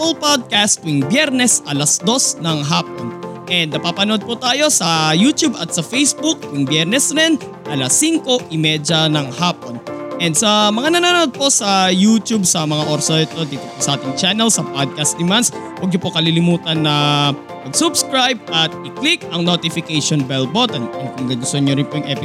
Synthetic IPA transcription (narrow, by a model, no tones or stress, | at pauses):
plpad̪̚kast̪̚ɪŋbjɛɾnɛsʔɐlɐsd̪o̞snɐŋɦaːp̚onʔɛnd̪nɐpapɐnod̪̚put̪aːjo̞sɐjut̪jubʔɐt̪sɐfejsbuk̚ɪŋbjɛɾnɛsɾɛn | ʔɐlɐsːiŋko̞ʔɪmɛd͡ʒɐnɐŋhaːpo̞nʔɛnd̪sɐmɐŋanɐnanod̪̚po̞sɐjut̪ub̚sɐmɐŋaʔoɾsoɪt̪od̪iːt̪oposɐʔaːt̪ɪŋt͡ʃanɛlsɐpod̪̚kɐst̪̚d̪ɪmanswɐɡ̚ɲopokɐlilɪmuːt̪ɐnːɐ | pɐɡsʊbskɹajb̚ɐt̪̚ɪklik̚ʔɐŋnot̪ɪfɪkɛjʃonbɛlbot̪ɐnɐnkʊŋɡaɡʊst̪oɲoɾɪnpojʊŋʔɛpɪ